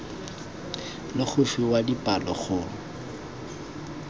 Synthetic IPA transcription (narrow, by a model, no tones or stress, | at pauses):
lɪχʰʊfiwadipʼalɔ̰χʊ